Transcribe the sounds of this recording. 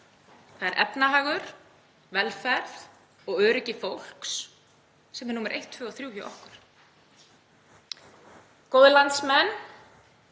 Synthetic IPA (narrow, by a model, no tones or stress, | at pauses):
θaðɛɾʔɛpnaɦaːɣʏɾ̥ | vɛlfɛɾθ | ɔɣœːɾɪcɪfowl̥ks | sɛmɛnuːmɪɾʔḛjht̪fvʏɔθɾjuːhʏ̰wʔɔ̰hkʏɾ̥ | kowðɪlant̪smɛn